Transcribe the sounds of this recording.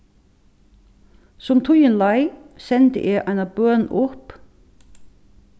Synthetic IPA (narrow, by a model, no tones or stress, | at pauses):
sɔmt̪ʰʊjɪnlajsɛnt̪ɪ̰ʔɛʔajnabœːnʔʊhp